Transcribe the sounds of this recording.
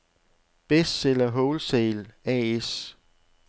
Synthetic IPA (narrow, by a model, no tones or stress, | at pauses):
b̥esd̥selɐɦɔʊlseːlɛes